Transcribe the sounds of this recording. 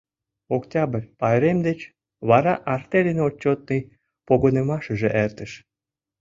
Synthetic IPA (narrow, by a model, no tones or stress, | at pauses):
oktʲɑbərʲpɑɾemd̪et͡ɕ | βɑɾɑʔɑrt̪elʲinot͡ɕːot̪̚nij | poɣonemɑʃə̆ʒĕʔert̪ə̆ʃ